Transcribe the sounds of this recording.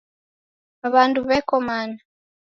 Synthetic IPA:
aβanduβɛkɔmana

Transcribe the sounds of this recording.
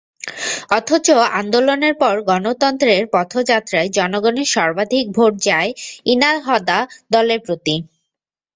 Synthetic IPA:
ɔt̪ʰot͡ɕoand̪oloneɾpɔɾɡɔnot̪ɔnt̪ɾeɾpɔt̪ʰod͡ʑat̪ːɾaed͡ʑɔnoɡɔneʃɔɾbad̪ʱik̚bʱoʈ̚d͡ʑaeinalɦɔd̪ad̪ɔleɾpɾot̪i

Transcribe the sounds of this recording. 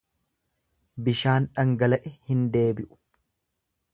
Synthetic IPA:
bɪʃaːnᶑɐŋɡɐlɐʔɛhɪnd̪e̞ːbɪʔʊ̥

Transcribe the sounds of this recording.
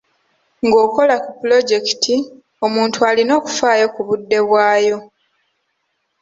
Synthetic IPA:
ŋɡo̞ːko̞lakupulo̞ɟe̞ki̥tʰi | o̞muːntualino̞ːku̥faːjo̞kuβudːe̞βwaːjo̞

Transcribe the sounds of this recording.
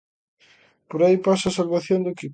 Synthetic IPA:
poɾaipasasalβaθjond̪ʊki

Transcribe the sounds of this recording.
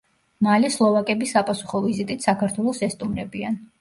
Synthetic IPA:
malɛslˠɔvakʼɛbisapʼasu̥χɔvizit̪ʼit̪ʰsakʰaɾt̪ʰwɛlˠɔsɛst̪ʼumɾɛbian

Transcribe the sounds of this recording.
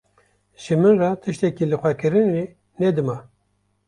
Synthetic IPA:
ʒɨmɨnrɑt̪ʰɨʃt̪ɛkilɨxʷɛkɨɾɨne | nɛd̪ɨmɑ

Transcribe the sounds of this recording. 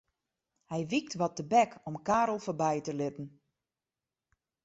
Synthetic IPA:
hɛjʋik̚tʋɔt̚əbɛkʰɔmkaːɾl̩ˠfoɹbɛjtəlɪtn̩

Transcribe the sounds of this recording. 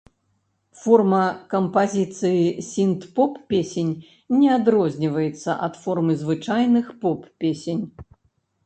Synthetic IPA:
fɔrmɐkɐmpazʲit̪sɨjisʲint̪pɔpːʲesʲenʲ | nʲɛad̪ɾɔzʲnʲivɐjɛt̪sːɐʔɐt̪fɔrmɨzvɨt͡ʂajnɨxpɔppʲesʲenʲ

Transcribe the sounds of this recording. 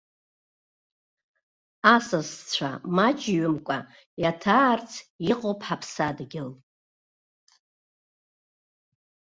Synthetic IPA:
asast͡sʷʰa̰mat͡ʃʼɥʏmkʷʼa | jatʰaːrt͡sʰiqʼopʰħapʰsadɡʲɪl

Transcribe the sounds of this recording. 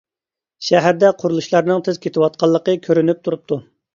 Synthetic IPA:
ʃɛɦæɾd̪ɛqʰʊɾulˠuʃlˠɑɾnɨŋt̪ʰɪz̥kʲʰet̪ʰɪwɑt̪̚qʰɑlˠːəqəkʲʰøɾynyp̚t̪ʰuɾup̚t̪ʰu

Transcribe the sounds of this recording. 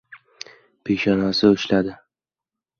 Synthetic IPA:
pʰeʃɒnasɪʊʃlad̪ɪ

